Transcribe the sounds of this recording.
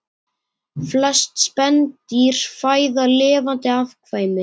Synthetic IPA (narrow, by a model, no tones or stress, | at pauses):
flɛst̪spɛnt̪iɾ̥faːjðalɪːvant̪ɪafkʰvaːjmɪ